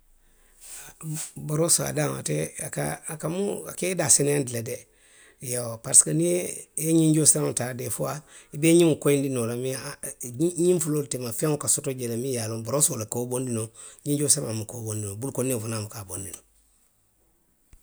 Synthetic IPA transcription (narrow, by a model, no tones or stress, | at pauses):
boɾosoa̰daŋa̰teakakamua̰kedasenendilade | jawopaɾsi̥kanieɲiɲɟoseaŋtadefua | ibeɲiŋukoindinolami | ɲifuloltemafeŋukasotoɟelemijaloboɾosolakobondinoɲĩɲɟosamamukobondinobulkonifunamukabondino